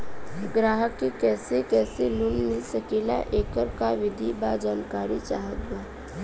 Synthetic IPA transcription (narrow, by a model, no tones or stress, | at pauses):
ɡɾaːɦəkːikɛːsekɛːsilʊnmɪlsəkila̰ʔeːkəɾkaʋɪd̪ʱibad͡ʒaːnkaːɾit͡ʃaːɦət̪ɡaː